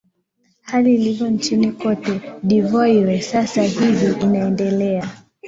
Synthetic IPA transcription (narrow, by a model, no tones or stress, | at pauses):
haliːlivjɔnt͡ʃinikɔtɛɗivɔiɾɛsasahiviʔinaɛndɛlɛa